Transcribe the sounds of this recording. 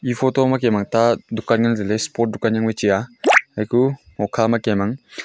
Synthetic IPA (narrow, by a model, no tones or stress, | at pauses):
ipʰotɔmakemaŋtadukanɡanzelespɔɾt̚dukanjaŋbet͡ʃijaajku | ŋɔkʰamakemaŋ